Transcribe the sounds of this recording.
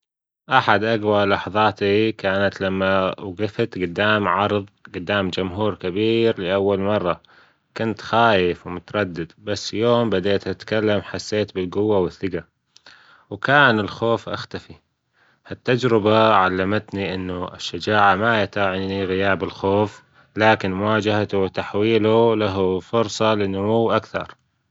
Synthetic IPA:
ʔaħad̪ʔaɡwalɑħðˤɑːt̪ikaːnat̪lamːawɡɪft̪ɡʊd̪ːaːmʕɑɾˤðˤɡʊd̪ːaːmd͡ʒʊmɦuːɾkabiːɾlɪʔawːalmɑrˤːɑ | kʊnt̪xaːjɪfwmʊt̪ɑɾˤɑd̪ːɪd̪basːjoːmbad̪eːt̪ʔat̪kalːamħasːeːt̪bɪlɡʊwːawɪθːɪɡa | wkaːnɪlxoːfʔa̰xt̪afi | hat̪ːad͡ʒɾɪbaʕalːamat̪niʔɪnːʊɪ̰ʃːad͡ʒaːʕamajat̪aʕɪniɣɪjaːbɪlxoːf | laːkɪnmʊwaːd͡ʒaɦat̪uwɪt̪aħwiːlulaɦfʊɾsˤɑlɪnːʊmuwːʔakθɑ̰ɾˤ

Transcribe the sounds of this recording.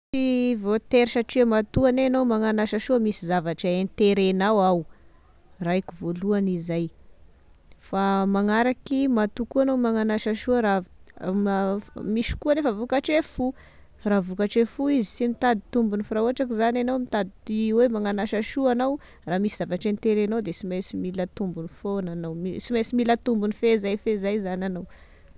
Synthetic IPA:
t͡sivot̪eɾʃaʈ͡ʂiamat̪uanenawmaŋanaʃaʃuəmisizavaʈ͡ʂaent̪eɾenawaw | rajkivoluanizaj | famaŋaɾakimat̪ukuanawmaŋanaʃaʃuəɾa | miʃi̥kuanefəvukaʈ͡ʂefu | ravukaʈ͡ʂefuizi̥simit̪ad̪i̥t̪umbunifiɾauɦaʈ͡ʂak̬izananawmit̪ad̪it̪iwemaŋanaʃaʃuanaw | raːmisizavaʈ͡ʂent̪eɾanawd̪esimasimilət̪umbunifonanawisimasimilət̪umbunifezajfezajzanʲanaw

